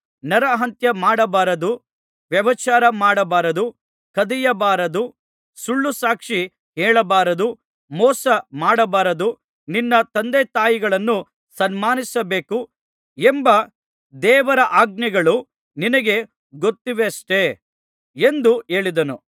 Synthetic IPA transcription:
nɐɾɐɦɐnt̪jɐmaːɽɐbaːɾɐd̪u | ʋjɐʋɐt͡ʃaːɾɐmaːɽɐbaːɾɐd̪u | kɐd̪ijɐbaːɾɐd̪u | suɭːusaːkʂi | ɦɛːɭɐbaːɾɐd̪u | mɔːsɐmaːɽɐbaːɾɐd̪u | ninːɐt̪ɐnd̪et̪aːjiɡɐɭɐnːu | sɐnmaːnisɐbe̞ːku | embɐ | d̪ɛːʋɐɾɐʔaːɡ̚niɡɐɭu | ninɐɡe̞ | ɡot̪ːiʋeɐʂʈe̞ | end̪ue̞ːɭid̪ɐnu

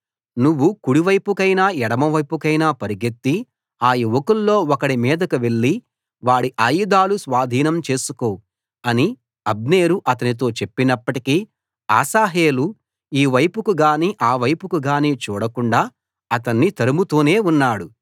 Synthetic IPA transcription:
nuʋːukuɽiʋɐjpukɐjnaːɛɽɐmɐʋɐjpukɐjnaːpɐɾiɡet̪ːi | aːjiʋokulːo̞ːɔkɐɽimiːd̪ɐkuʋe̞ɭːi | ʋaːɽiʔaːjud̪aːlusʋaːd̪ʱiːnɐmt͡ʃe̞ːsuko̞ːu | ɐni | ɐb̚neːɾuʔɐt̪ɐnit̪̬o̞ːt͡ʃe̞pːinɐpːɐʈikiː | a̰ːsaːɦe̞ːlu | iːʋɐjpukuɡaːniʔaːʋɐjpukuɡaːniːt͡ʃṵːɽɐkuɳɖaː | ɐt̪ɐnːit̪ɐɾumut̪oːne̞ːunːaːɽu

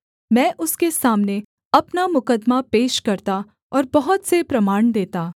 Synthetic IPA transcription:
mɛ̃ːʔʊskesaːmne | ɐpnamʊkəd̪mapeːʃkɐɾt̪a | ɔːɾbɐɦʊt̪sepɾɐmaːɳd̪eːt̪aː

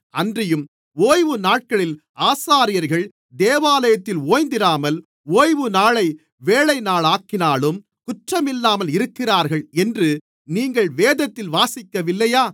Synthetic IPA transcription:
ɐndrɪjɯm | oːjʋɯnaːʈ̚kɐɭɪl | aːsaːɾɪjɐɾɣɐɭ | d̪eːʋaːlɐjɐt̪ːɪloːjnd̪ɪɾaːmɐl | oːjʋɯnaːɭɐɪ | ʋeːɭɐɪnaːɭaːkːɪnaːlɯm | kʊʈrɐmɪlːaːmɐlɪɾɯkːɪraːɾɣɐɭɛndrɯ | niːŋɡɐɭʋeːðɐt̪ːɪlʋaːsɪkːɐʋɪlːɐjaː

